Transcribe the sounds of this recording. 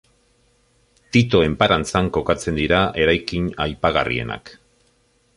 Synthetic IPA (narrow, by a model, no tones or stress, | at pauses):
t̪it̪o̞e̞mpaɾant͡saŋko̞kat͡se̞nd̪iɾaʔe̞ɾajkiɲajpaɣarḭe̞̰na̰k